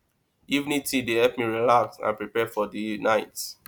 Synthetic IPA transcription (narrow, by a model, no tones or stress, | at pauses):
ivnitidehɛpmiɹilaksã̰npɹipɛfɔdinaɪt